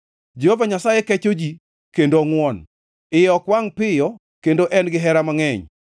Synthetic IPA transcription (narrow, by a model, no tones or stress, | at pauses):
d͡ʒehovaɲasajekɛt͡ʃod͡ʒi | kendoŋwɔn | ɪjɔkwaŋpɪjɔ | kendoʔɛnɡɪɦɛɾamaŋɛɲ